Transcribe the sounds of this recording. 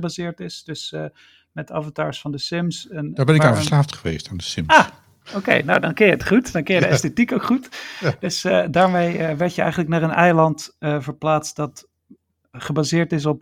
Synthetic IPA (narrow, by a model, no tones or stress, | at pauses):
bazɪːɹtɪsd̥ɵs | mɛta̰vɑntaːɹsfɑndəsɪmsɛndaːɹbɛnɪkaːnvəslaːftχəʋḛjstaːndəsɪmaː | owkḛjno̰wdɑnkɪnjəətχutdɑnkɪnjədəɛstetikowkχutd̥ɵsədaːɹmejʋɛɹtjəɛ̰jχənləknaːɹənʔɛ̰jlɑntəvəɹplaːst̚dɑt | χəbaːzɪːɹtɪs̬ɔp̚